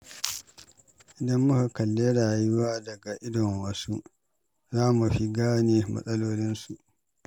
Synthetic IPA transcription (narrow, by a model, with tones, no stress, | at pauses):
ʔɪ˨dɐ˦mːʊ˦ha˨kɐ˨lːeː˦ɽaː˨ju˦waː˦dɐ˨ɡa˨ʔɪ˦dɔ˨mwɐ˦su˦ʔ | zaː˦mu˨ɸi˦ɡaː˦neː˨mɐ̰˨sʼɐ˦loː˦lɪ˦nsu˨ʔ